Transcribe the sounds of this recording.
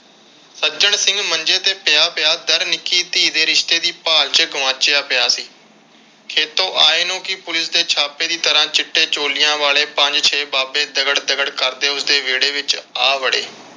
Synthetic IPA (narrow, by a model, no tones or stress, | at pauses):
səd͡ʒəɳsɪ̃ŋɡməɲd͡ʒeːt̪eːpɪjaːpɪjaːd̪əɾnɪkːiːt̪iːd̪eːɾɪʃt̪eːd̪iːpaːlt͡ʃəɡəʋãːt͡ʃɪjaːpɪjaːsiː | kʰeːt̪õːʔaːeːnõːkiːpʊlɪsd̪eːt͡ʃʰaːpeːd̪iːt̪əɾãːt͡ʃɪʈːeːt͡ʃoːlɪjãːʋaːleːpəɲd͡ʒt͡ʃʰeːbaːbeːd̪əɡəɽd̪əɡəɽkəɾd̪eːʊsd̪eːʋeːɽeːʋɪt͡ʃaːʋəɽḛː